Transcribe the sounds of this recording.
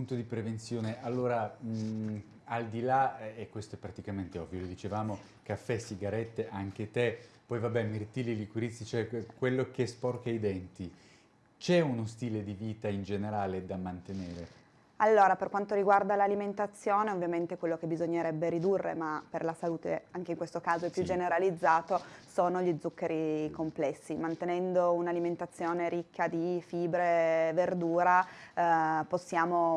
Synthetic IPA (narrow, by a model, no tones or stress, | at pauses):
punt̪od̪ipɾevent̪sjoːneʔalːoːɾa | ald̪ilaɛkːwest̪oɛpːɾat̪ikament̪eɔvːjolod̪it͡ʃevaːmo | kafːɛsiɡaɾɛt̪ːeʔaŋk̟et̪epɔjvabːɛmert̪ililikuɾit̪sːit͡ʃoɛkwelːokespɔrkaid̪ɛnt̪i | t͡ʃɛunost̪iːled̪iviːt̪aind͡ʒeneɾaːled̪amant̪eneːɾe | alːoːɾaperkwant̪oɾiɡward̪alaliment̪at̪sːjoːneovːjament̪ekwelːok̟ebizoɲːeɾɛbːeɾid̪urːḛmaperlasaluːt̪ḛaŋk̟eiŋkwest̪okaːzoɛpːjud͡ʒeneɾalid̪zːaːt̪osoːnoʎid̪zːukːeɾikomplɛsːimant̪enɛnd̪ounaliment̪at̪sːjoːneɾikʰːad̪ifiːbɾeverd̪uːɾa | posːjaːmo